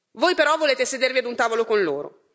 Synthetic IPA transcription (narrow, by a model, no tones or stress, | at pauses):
vojpeɾɔvoleːt̪esed̪erviad̪unt̪aːvolokonloːɾo̰